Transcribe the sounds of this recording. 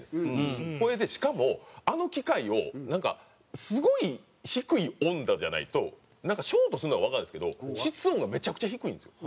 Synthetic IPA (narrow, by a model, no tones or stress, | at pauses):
d̪esɨko̞ɾe̞d̪e̞ɕi̥kamo̞ano̞kʲikaio̞nãŋka̰ | sɨɡo̞i | çikɯ̟iõ̞nd̪ad͡ʑa̰na̰ḭt̪o̞̰ | nãŋkaɕo̞ːt̪o̞sɨɾɯnoɡaβakãnd̪esɨ̥ke̞d̪o̞̰ɕit͡sɨõŋɡame̞t͡ɕakɯ̟̥t͡ɕaçikɯ̟ĩnd̪sjo